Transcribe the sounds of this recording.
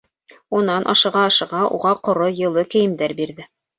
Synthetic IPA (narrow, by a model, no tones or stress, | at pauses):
unɑnʔɑ̰ʃɤ̆ʁɑɑʃɤ̆ʁɑʔṵʁɑqŏɾojɤ̆lˠɤkɘ̆jɘ̆md̪æɾbiɾðɘ